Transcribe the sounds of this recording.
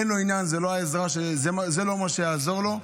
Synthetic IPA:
enlo̞injanzelo̞ɦaezʁaʃezeazelo̞maʃejaːzo̞ʁlo̞

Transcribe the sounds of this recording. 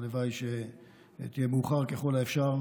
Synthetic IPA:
levajʃe | t̪ije̞muːχaʁkeχo̞laefʃaʁ

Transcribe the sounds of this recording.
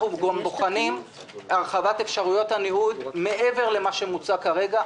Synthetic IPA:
uvɡomboχanim | aʁχavat̪efʃaʁujo̞t̪haniud̪me̞ʔe̞ve̞ʁle̞maʃe̞mut͡sakaʁe̞ɡa

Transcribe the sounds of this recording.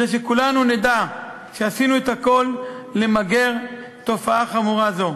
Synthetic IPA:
eʃ̬ekulanuned̪a | ʃeasinuethako̞lː | emaɡe̞ʁ | t̪o̞faaχamuʁazo̞

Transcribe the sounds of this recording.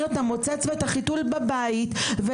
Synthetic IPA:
etamo̞t͡set͡sveetaχitulbabaitve

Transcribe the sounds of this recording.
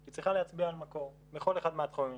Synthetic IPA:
kit͡sʁiχaleat͡sbiaːlmako̞ʁ | beχo̞le̞χad̪meat̪χomi

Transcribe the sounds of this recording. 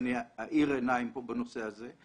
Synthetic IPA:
niaʔiʁenaimpobano̞sehaze

